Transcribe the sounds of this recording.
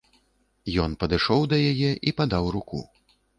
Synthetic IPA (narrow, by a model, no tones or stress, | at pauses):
jɔnpɐd̪ɨʂɔwd̪ɐjajɛʔipad̪awɾukṵ